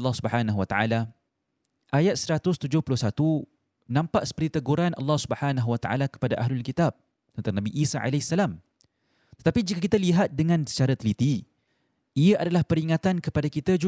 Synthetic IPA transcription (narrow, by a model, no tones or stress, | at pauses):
lːɑhsubəħanaɦuwat̪aʔa̰la | ʔajat̪̚səɾat̪ʊst̪ud͡ʒʊhpulʊhsat̪u | nãmpaʔsə̥pəɾit̪əɡuɾana̰lːɑhsubəħanaɦuwat̪a̰ʔa̰lakə̥padaʔaɦlʊlkit̪ab̚ | d̪ənt̪aŋnabiʔisaʔa̰lasːalam | t̪ə̥t̪apid͡ʒikakit̪aliɦat̪̚dəŋãnsə̥t͡ʃaɾat̪əlit̪i | iaʔadalahpəɾiŋat̪ankəpadakit̪ad͡ʒu